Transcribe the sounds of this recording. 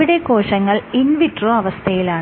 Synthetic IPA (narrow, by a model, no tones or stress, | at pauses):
iɽe̞ko̞ːʂɐŋːɐɭinʋitroɐʋɐst̪ʰɐjilaːɳ